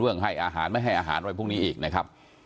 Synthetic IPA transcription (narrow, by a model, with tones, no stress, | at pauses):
ɯ˥˩əŋɦa˥˩jʔaː˧ɦaː˩˦nma˥˩jɦa˥˩jʔaː˧ɦa̰ː˩˦nwa˧jpʰuː˥˩ŋniː˦˥ʔiː˨˩k̚na˦˥kʰɾa˦˥p̚